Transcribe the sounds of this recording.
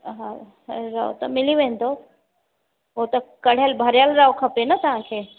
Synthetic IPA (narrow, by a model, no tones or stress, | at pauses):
ɦã | ɾaːo̰t̪ɐmɪliʋɐ̃nd̪o | ot̪ɐkɐɽ̤ejəlbʱɐɾjalɾaːokʰɐpenɐt̪ɐʋ̤ãkʰeː